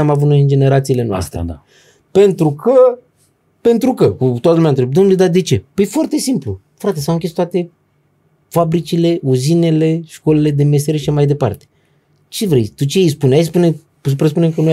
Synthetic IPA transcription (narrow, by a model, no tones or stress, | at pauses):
amavut̪noind͡ʒe̞ne̞ɾat̪sile̞noa̰st̪ɾḛ | pe̞nt̪ɾukʰə | pe̞nt̪ɾukəkut̪oat̪əlumʲeant̪ɾep̚d̪onled̪ad̪e̞t͡ʃe̞pəjfoart̪e̞simplu | fɾat̪e̞sawɨŋkʲest̪oat̪e̞ | fabɾit͡ʃile̞ʔuzine̞le̞ʃko̞le̞le̞d̪e̞meseɾeʃiʃamajd̪e̞pa̰rt̪e̥ | t͡ʃe̞vɾe̞̰jt̪ut͡ʃejejspunajspune | supɾəs̬punemkənu